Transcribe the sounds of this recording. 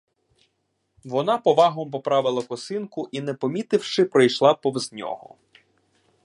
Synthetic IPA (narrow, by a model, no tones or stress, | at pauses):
ʋɔnɑpɔʋɑɦɔmp̬ɔpɾɑʋɪlˠɐkɔsɪnkʊʔinɛpɔmʲit̪ɪwʃɪpɾɔjʃlˠɑpɔʋznʲɔ̰ɦɔ̰